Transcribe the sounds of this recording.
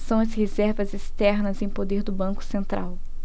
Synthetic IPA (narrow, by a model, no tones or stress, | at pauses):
sɐ̃w̃ɐzhezɛɾvɐzest̪ɛɾnɐzẽj̃pod̪eɾd̪ʊbɐ̃ŋkʊ̥sẽnt̪ɾa̰w